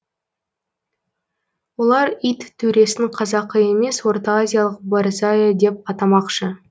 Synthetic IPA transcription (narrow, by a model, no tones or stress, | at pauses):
wo̞lˠɑɾijt̪tʰːɵɾe̞sɪŋqʰɑzɑqːəje̞me̞swo̞rt̪oazʲijalˠəq̚baɾzajad̪e̞p̚ɑt̪ɑmɑqʃə